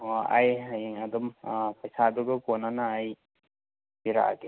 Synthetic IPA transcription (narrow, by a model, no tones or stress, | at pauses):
oajɦajŋadumpɐjsaduɡɯkonːanaːj | biɾa̰ɡe